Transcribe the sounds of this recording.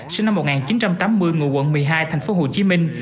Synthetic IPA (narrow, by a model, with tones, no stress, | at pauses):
sɨ˧ŋna˧mːo˨˩ŋaː˨˩nt͡ɕi˨˦nt͡ɕa˧mt̪aː˨˦mːɨ˧əjŋṵ˧˨kw̰nmɨ˨˩əjɦaː˧jt̪ʰɛ˨˩jŋ̟fo˨˦ɦo˨˩t͡ɕi˨˦mï˧ŋ̟